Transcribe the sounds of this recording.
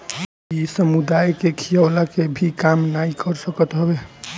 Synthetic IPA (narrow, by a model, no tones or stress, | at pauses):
isəmud̪ajkekʰijəlakebʱikamnaikəɾsəkət̪ɦəbe